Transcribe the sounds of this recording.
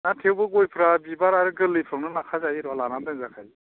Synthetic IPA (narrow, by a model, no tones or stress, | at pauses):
natʰewbɯɡojpʰɾabibaɾaɾɯɡɯlɯjpʰɾɯŋnɯnakʰazajiɾɔalanadɯnzakʰaj